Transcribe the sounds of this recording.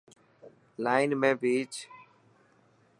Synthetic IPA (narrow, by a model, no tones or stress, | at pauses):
laːɪnmẽːbʱiːt͡ʃ